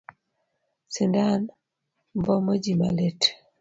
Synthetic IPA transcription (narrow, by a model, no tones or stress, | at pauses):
sindan | mbɔmod͡ʒima̰let